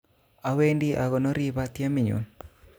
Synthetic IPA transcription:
a˨we˦ndi˦ʔa˨ɣɔ˨no˦ɾi˦ba˦t̪ja˦mɪ˨ɲo̰˨n

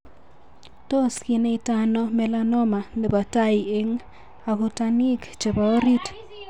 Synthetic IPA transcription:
to˦skɪ˨ne˦i˨ta˦nɔ˦mɛ˨la˦nɔ˦ma˨ne˨ba˨ta˦i˨e˦ŋ | a˨kʊ˨ta˦ni˦kt͡ʃe˨ba˨o˦ɾi˦t

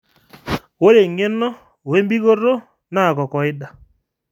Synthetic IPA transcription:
wo˦ɾe˨ŋɪ˦nːɔ˦˨ | we˦mbi˦ɡo˦rːo˦ | na˦˨kɔ˨kɔ˨ɪ˦da˨

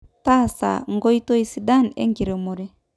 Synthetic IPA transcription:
ta˦˨sa̰˨ŋ̩˦ɡɔ˦i˦to˦i˨si˨da˦˨nɛ̰˦ŋɡi˨ɾɛ˨mɔ˨ɾɛ˦

